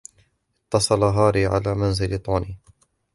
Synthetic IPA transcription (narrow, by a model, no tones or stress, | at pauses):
ʔɪt̪ːɑsˤɑlaɦaːɾiːʕa̰laːmanzɪlt̪ˤoːniː